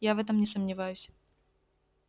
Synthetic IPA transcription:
javɛt̪̬əmnʲɪsəmnʲɪvajʊsʲ

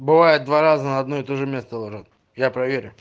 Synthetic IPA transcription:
bɨvajɪt̪̚d̪vaɾazənəɐd̪no̞ɪt̪oʐɨmʲe̞st̪əlˠoʐət̪ | japɾɐvʲeɾʲʊ

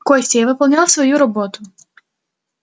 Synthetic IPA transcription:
kɔjsʲtʲɛjavɨpɔlˠnʲalˠsvɔjuɾɔbɔt̪ʊ

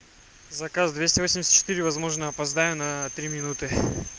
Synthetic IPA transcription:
zɐkazd̪vʲesʲtʲɪvosʲɪmʲsʲət̪t͡ɕːɪ̥t̪iɾʲɪvɐzmo̞ʐnəɐpɐzd̪ajʊnɐt̪ɾʲimʲɪnut̪ɨ

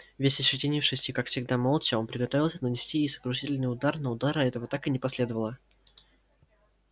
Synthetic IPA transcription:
vʲesʲəɕɪtʲenʲɪjʊfʂɨsʲtʲikakfsʲɪɡd̪amolˠt͡ɕɪo̞npɾʲɪɡɐt̪ovɪlˠsʲənənʲɪsʲtʲijesə̥kɾʊʂ̬itʲɪlʲnɨjʊd̪arnəʊd̪aɾɐɛt̪əvət̪akɨnʲɪpɐsʲlʲe̞d̪əvəlˠə

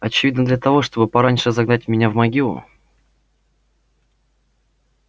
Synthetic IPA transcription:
ɐt͡ɕɪvʲid̪ʲnəd̪lʲət̪ɐvoʂt̪o̞bɨpɐɾanʲʂɨzɐɡnatʲmʲɪnʲavmɐɡʲilˠʊ̰

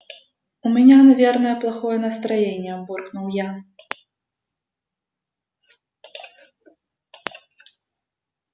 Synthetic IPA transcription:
umʲanʲanɐvʲɛrnɐjɐplˠaxɔjɛnɐst̪ɾajenʲːɛbɔrknuwja

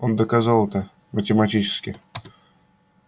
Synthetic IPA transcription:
ond̪əkazɑlˠt̪ə | mətʲɪmatʲit͡ɕɪ̥skʲi

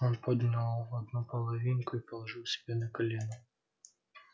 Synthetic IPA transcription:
onpod̪nʲɪlˠvɐd̪nupəlˠɐvʲinkʊipəlˠɐʐɨlˠsʲɪ̥bʲenəkɐlʲenʊ

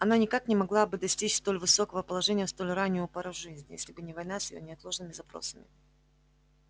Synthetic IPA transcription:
ɐnanʲɪkaknʲɪmɐɡlˠabɨd̪ɐsʲtʲit͡ɕst̪o̞lʲvɨso̞kəvəpəlˠɐʐɛnʲɪjəst̪o̞lʲranʲːɪjʊpɐɾəvʐɨzʲnʲɪ̰jesʲlʲɪbɨnʲɪvɐjnasʲjɪjo̰nʲɪɐt̪lˠo̞ʐnɨmʲɪzɐpɾo̞̰səmʲɪ̰

